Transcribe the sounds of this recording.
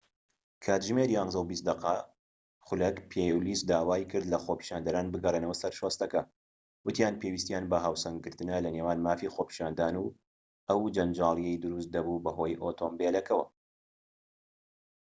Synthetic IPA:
kʰaːt̪ʒmeɾiaŋzɨlbiːs̬t̪̚d̪ɐqa | xʊlɐkpʰejliːsd̪aːwaːjkʰɨɾd̪lɐxopʰi̥ʃaːnd̪ɐɾaːnbɨɡɐreːnɐwɐsɐɾʃost̪ɐkɐ | wɨt̪ijaːnpʰeːwist̪jaːnbɐɦaːwsɐŋɡɨɾt̪ɨnɐlɐneːwaːnmaːfixoːpʰi̥ʃaːnd̪aːnuː | ʔɐwd͡ʒɐnd͡ʒaːlˠijejd̪ɨɾust̪̚d̪ɐbubɐɦo̞ːjʔot̪ʰoːmbelɐkʰɐwɐ̰

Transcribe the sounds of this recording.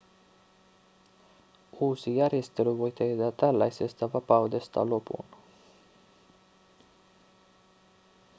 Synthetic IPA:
usijaɾest̪əluvojt̪ed̪at̪ala̰jsest̪avapawd̪est̪a̰lopṵn

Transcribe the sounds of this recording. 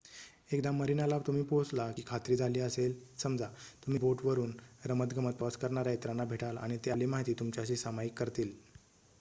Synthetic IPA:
ekd̪amːəɾinalaʋt̪um̤iːpod͡zlakiːkʰat̪ɾiːd͡zʱaliːəselsəmd͡zʱat̪um̤iboʈʋəɾuːnɾəmət̪ɡəmət̪̚pəskəɾɳaɾaet̪ɾanːabʱeʈala̰ɽ̃it̪ealimaɦit̪iːt̪umt͡ɕaɕiːsamajikːəɾt̪iːl

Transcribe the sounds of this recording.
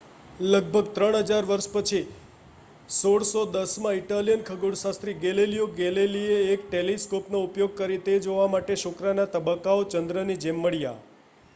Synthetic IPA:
ləɡ̚bʱəɡt̪ɾəɽɦəd͡ʒaɾʋəɾʃpət͡ʃʰi | soɽsod̪əsmãiʈalijənkʰəɡuɽʃast̪ɾiɡelelijoɡelelieːkʈeliskopnoupjoɡ̚kəɾit̪ed͡ʒoʋamaʈeʃʊkɾanat̪əbəkːaot͡ʃənd̪ɾənid͡ʒemːəɭija̰

